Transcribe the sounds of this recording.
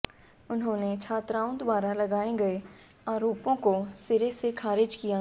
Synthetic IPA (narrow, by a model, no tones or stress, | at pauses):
ʊnɦõːnet͡ʃʰaːt̪ɾaːõd̪ʊaːɾalɐɡaːeɡɐe | aːɾoːpõkosɪɾesekʰaːɾɪd͡ʒkija